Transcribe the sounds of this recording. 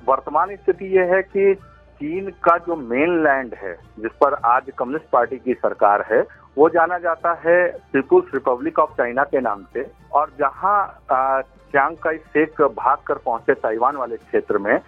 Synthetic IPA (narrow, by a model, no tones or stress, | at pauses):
ʋɐɾt̪əmaːnɪst̪ʰɪt̪ijeɦɛki | t͡ʃiːnkad͡ʒoːmeːnlɛ̃ːɳɖɦɛ̰ | d͡ʒɪspɐɾaːd͡ʒkɐmjʊnɪsʈ̚paːɾʈikisɐɾkaːɾɦɛ | ʋod͡ʒaːnad͡ʒaːt̪aɦɛpiːpəlsɾɪpəblɪkɔːft͡ʃaːɪnakena̰ːmse | ɔːɾd͡ʒɐɦã | t͡ʃãːŋɡkaiseːkbʱaːɡ̚kəɾpɐ̃ɦʊ̃t͡ʃet̪aːiʋaːnʋaːlekʃeːt̪ɾəmẽ